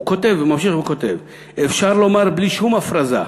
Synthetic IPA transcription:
kot̪e̞vmamʃ̬iχukot̪ev | efʃaʁlo̞maʁbliʃumafʁaza̰

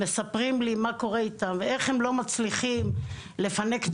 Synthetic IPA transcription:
esapʁimlimako̞ʁeit̪amveʔe̞χhemlo̞mat͡sliχim | le̞fane̞k

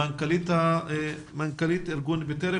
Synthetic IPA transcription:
ankalit̪a | maŋkalit̪eɾɡunbet̪eɾe

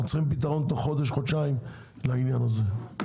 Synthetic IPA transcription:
t͡sχimpit̪aʁo̞nt̪oχo̞d̪eʃ̬χod̪ʃaim | lainjanaze

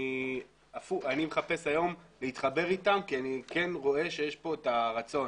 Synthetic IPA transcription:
i | afuanimeχape̞sajo̞mleit̪χabe̞ʁitamkianike̞nʁo̞e̞ʃe̞jeʃpo̞etaʁat͡so̞

